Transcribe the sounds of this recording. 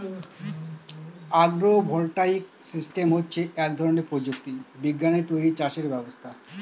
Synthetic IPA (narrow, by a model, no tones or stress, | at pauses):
aɡɾobʱɔlʈaik̚sisʈemɦotːɕʰeʔɛk̚d̪ʱɔɾoneɾpɾod͡ʑuk̚t̪ibiɡːanet̪ojɾit͡ɕaʃeɾbɛbost̪ʰa